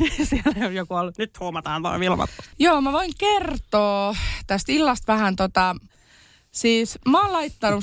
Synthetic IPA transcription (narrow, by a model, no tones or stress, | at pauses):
isielæiojokuolːnyt̪huomɑt̪ɑːnt̪o̰iʋilmɑ̰t̪usjoːmæʋoiŋkert̪oːt̪æst̪ilːɑst̪ʋæhænt̪ot̪ɑ | siːsmæoːllɑit̪ːɑnu